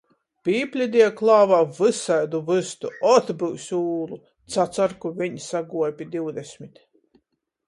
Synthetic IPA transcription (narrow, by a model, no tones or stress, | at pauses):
pʲiːpʲlʲid̪ʲiɛklˠaːvaːvɨsajd̪uvɨst̪uɔt̪bɨwsʲuːlˠu | t̪sat̪saɾkuvʲiɲsaɡuɔpʲid̪ʲiwd̪esʲmʲit̪